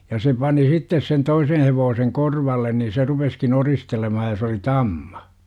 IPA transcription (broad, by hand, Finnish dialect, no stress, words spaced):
jɑ se pɑni sitːes sen toisen̞ heʋoːseŋ korʋɑlːen ni se rupeskin oristelemɑhɑj jɑ se oli tɑmm̥ɑ̥